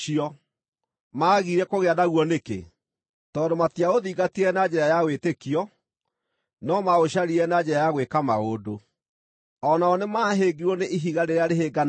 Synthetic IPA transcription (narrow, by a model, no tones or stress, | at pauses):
iɔ | maːɣiɾɛkoɣeaðaɣwɔnekḛ | tɔːndomatiaoðiːɡatiɛnaɲd͡ʑɛɾajawetekiɔ | nɔmaoɕaɾiɛnad͡ʑɛɾajaɣwekamaodo | ɔnaɔnemaɦeɡiɾwɔneʔiɦiɣaɾeɾeaɾeɦeɡan